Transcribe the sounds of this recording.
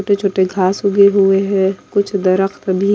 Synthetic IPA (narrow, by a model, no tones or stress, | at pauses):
oːʈet͡ʃʰoːʈeɡʱaːsʊɡeɦueɦɛ̃kʊt͡ʃʰd̪ɐɾəxt̪bʱi